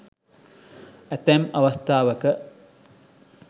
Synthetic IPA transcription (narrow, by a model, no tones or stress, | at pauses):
æt̪æmɐʋɐst̪aːʋəkə